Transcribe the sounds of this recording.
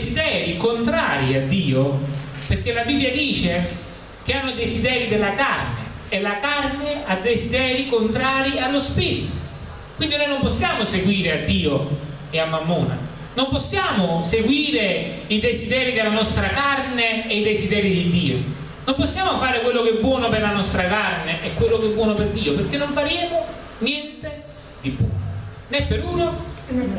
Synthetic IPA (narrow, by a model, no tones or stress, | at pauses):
zid̪ɛːɾikont̪ɾa̰ːɾiad̪ːiːʊperkːelːabibːjad̪iːt͡ʃe | k̟ɪanːʊid̪ezid̪ɛːɾid̪elːakarnḛ | elːakarnead̪ezid̪ɛːɾikont̪ɾaːɾialːospiːɾit̪ʊ̥ | kwind̪inojnomposːjaːmʊseɡwiːɾɪad̪ːiːo | ɛamːamːṵːna̰ | nomposːjaːmʊseɡwiːɾe | id̪ezid̪ɛːɾid̪elanɔst̪ɾakarneːid̪ezid̪ɛːɾid̪id̪ːiːo̰ | nomposːjaːmofaːɾɪkwelːokɛbːwɔːnoperlanɔst̪ɾakarneʔɛkːwelːokɛbːwɔːnoperd̪iːoperkːenːoɱfaɾjɛːmo | njɛnt̪e | d̪ibwɔ̰ːno | nɛpːeɾuːno